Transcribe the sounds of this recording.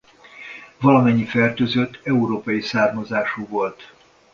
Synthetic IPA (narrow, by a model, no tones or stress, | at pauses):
vɒlɒmɛɲːifɛrt̪øːzøt̪ʰːɛuɾoːpɒjisaːrmɒzaːʃuːvolt̪